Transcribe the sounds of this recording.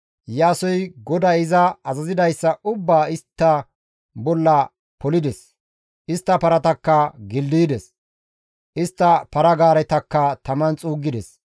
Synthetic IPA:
jaːsɔjɡɔd̪ɐɪzɐɐzɐzɪd̪ɐjsːɐʊbːaːɪst̪ːɐ | bɔlːɐ | pɔlɪd̪ɛs | ʔɪst̪ːɐpɐɾɐt̪ɐkːɐɡɪld̪id̪ɛs | ʔɪst̪ːɐpɐɾɐɡaːɾɛt̪ɐkːɐt̪ɐmɐnt͡sʼuːɡːɪd̪ɛs

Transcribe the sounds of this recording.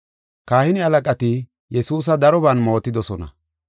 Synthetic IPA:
kaːhɪnɪɐlɐkʼɐt̪ɪ | jɛsuːs̬ɐd̪ɐɾɔbɐnmo̞ːt̪ːɪd̪ɔsɔnɐ̰

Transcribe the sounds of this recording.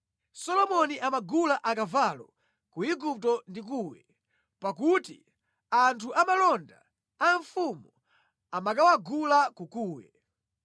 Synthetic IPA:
sɔlɔmɔniʔamaɡulaʔakavalɔ̰ | kuiɡup̚tɔndik̬uːwɛ̰ | pakutḭ | antʰuʔamalɔnda̰ː | ɱfumu | amak̬awaɡulakukuːwɛ̰

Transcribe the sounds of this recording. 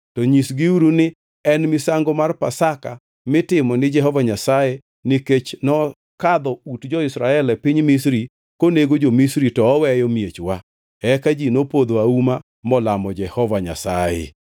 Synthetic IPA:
tɔɲisɡiuɾunɪ | ɛnmisaŋɡomarpasaka | mɪtɪmɔnɪd͡ʒɛɦɔvaɲasaje | nɪket͡ʃnɔ | kad̪ɔutd͡ʒɔɪsɾaɛlɛpiɲmisɾi | koneɡod͡ʒomisɾitɔːwɛjɔmjet͡ʃwa | ɛkad͡ʒinopod̪oauma | mɔlamɔd͡ʒɛhɔvaɲa̰sa̰jḛ

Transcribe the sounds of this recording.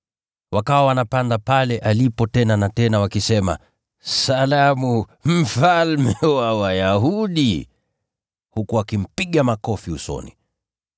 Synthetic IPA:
wakawawanapandapalɛʔalipɔtɛnanatɛnawakisɛma̰ | salamum̩falmɛwawajaɦuɗi | hukuakim̩piɠamakɔfiṵsɔ̰nḭ

